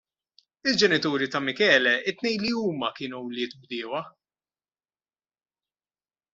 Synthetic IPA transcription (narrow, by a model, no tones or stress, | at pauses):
ɪld͡ʒɛnɪt̪uːɾit̪ɐmɪkɛːlɛʔɪt̪ːnɛjliuːmɐkɪːnuɔwlɪːt̪bd̪ɪːwɐ